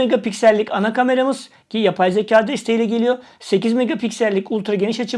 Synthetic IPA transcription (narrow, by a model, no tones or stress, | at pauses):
eɡapicsælʲːicanakame̞ɾamɯz̥ | cijapʰajzecʰaːd̪aist̪ʰejilʲɛɟe̞lʲijo̞ | se̞cizmeɡapicsælʲːiculʲˠt̪ɾaɟe̞niʃat͡ʃʰɯ